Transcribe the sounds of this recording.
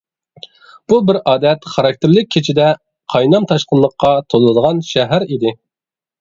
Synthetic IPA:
b̥ubɪɾɑːd̪ɛt̪χɑɾɑk̚ʲt̪ʰɪɾlɪk̚ʲʰːet͡ʃʰid̪ɛ | qʰɑjnɑmt̪ʰɑʃqənlˠəqʰːɑt̪ʰolˠɨd̪əʁɑnʃɛɦæɾid̪ɪ

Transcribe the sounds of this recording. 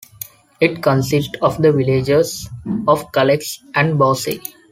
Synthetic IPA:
ɪʈkə̃nsɪsʈɔːʋd̪əʋɪled͡ʒesɔːʋkʌleksʔæ̃ɳɖbɔːsḛ

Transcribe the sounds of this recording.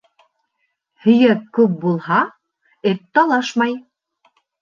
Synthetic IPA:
hɵ̆jæp̚kʉp̚bulˠhɑ | ɘp̚t̪ɑlˠɑʃmɑj

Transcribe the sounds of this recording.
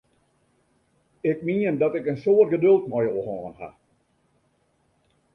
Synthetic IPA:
ɪk̚miəndɔtɪkənsoərt̚ɡədɵlˠt̚mɔjoəhɔːənha̰

